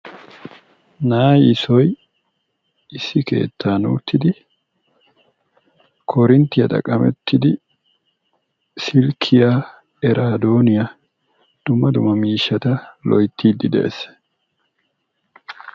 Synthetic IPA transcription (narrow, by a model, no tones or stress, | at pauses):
naːjɪsɔj | ɪsːɪke̞̰ːt̪ʰːaːnuːt̪ʰːɪd̪ɪ | kʰɔɾɪnt̪ːɪjɐt̪ʼɐ̰kʼːɐmɛ̰t̪ʰːɪd̪ɪ | sɪlkʰːɪjaː | ɛɾʔaːd̪oːnɪja | d̪̥ʊmːɐd̪ʊmːɐmiːʃːɐt̪ɐlɔjt̪ʰːiːd̪ːɪd̪ɛ̰ʔḛs